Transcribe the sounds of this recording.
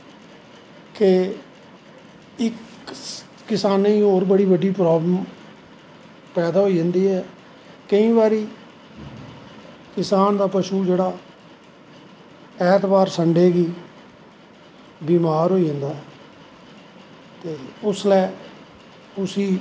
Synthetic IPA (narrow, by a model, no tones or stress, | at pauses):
ke | ɪk | kɪsaːnːĩːoːɾbəɽiːbəɖiːpɾaːbləm | pɛːd̪aːɦoːiːd͡ʒə̃ːnd̪iːɦɛː | kəĩːbaːɾiː | kɪsaːnd̪aːpəʃuːd͡ʒeːɽaː | ɛːt̪baːɾsəɳɖeːɡiː | biːmaːɾɦoːiːd͡ʒə̃ːnd̪aːɦɛː | t̪eːʊslɛː | ʊsiː